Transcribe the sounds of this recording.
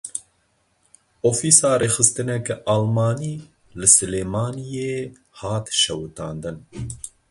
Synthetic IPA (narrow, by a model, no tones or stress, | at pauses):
ofiːsɑːɾeːxɨst̪ɨnɛkʔaːlmɑːniː | lɨsɨleːmɑːnijeː | hɑːt̪ʃɛwt̪ɑːnd̪ɨn